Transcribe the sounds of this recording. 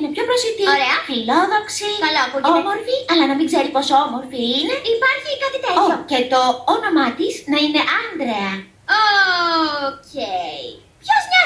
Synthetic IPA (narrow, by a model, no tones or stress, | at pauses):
inepço̞pɾosit̪ioɾeɐfilo̞ðo̞ksikɐlɐpoomo̞ɾfiɐlɐnɐmiɡze̞ɾipo̞somo̞ɾfiine̞ipɐɾçikɐt̪it̪eooce̞t̪o̞ono̞mɐt̪iznɐine̞ʔɐnd̪ɾeɐ | o | cei | pçozɲɐ